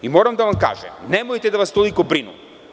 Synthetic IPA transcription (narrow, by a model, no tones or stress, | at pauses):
imɔɾamd̪avamka̰ʒɛ̰nɛmɔjt̪ɛd̪avast̪olˠikobɾinṵm